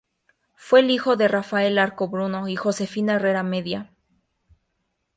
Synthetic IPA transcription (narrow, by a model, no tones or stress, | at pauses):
fwe̞lixo̞ðerafae̞laɾko̞βɾuno̞ixo̞se̞finaere̞ɾame̞ðja